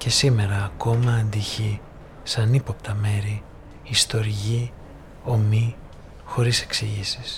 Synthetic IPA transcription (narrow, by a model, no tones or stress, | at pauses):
ce̞sime̞ɾɐːko̞mɐːnd̪içi | sɐnipo̞pt̪ɐme̞ɾiː | st̪o̞ɾiʝi | o̞mi | xo̞ɾise̞ksiʝisis